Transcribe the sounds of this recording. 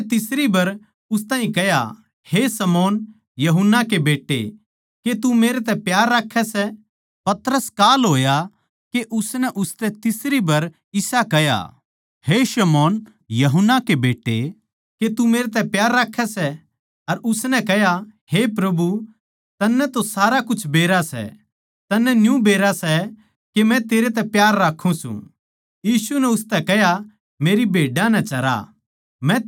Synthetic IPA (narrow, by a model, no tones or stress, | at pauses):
t̪ɪsɾibɐɾ | ʊst̪ãːɦĩkɐja̰ | hesɐmɔːn | jɐɦʊnːakebeːʈːḛ | ket̪umeːɾet̪ɛpjaːɾːaːkʰːɛsɛ | pɐt̪ɾəskaːlɦoːja | keʔʊsnɛʔʊst̪ɛt̪ɪsɾibɐɾ | ɪsakɛja̰ | heʃɐmɔːn | jɐɦʊnːakebeːʈːḛ | ket̪umeːɾet̪ɛpjaːɾːaːkʰːɛsɛ | ɐɾʊsnɛ̃kɛɦjahepɾɐbu | t̪ɐnːɛt̪osaːɾakʊt͡ʃʰbeːɾasɛ̰ | t̪ɐnːɛnjũbeːɾasɛ | kemɛ̃t̪eːɾet̪̬ɛ̃pjaːɾːaːkʰũsṵ̃ | jiːsunɛʊst̪ɛkɛɦja | meːɾibʱeːɖãnɛt͡ʃɐɾa̰ | mɛ̃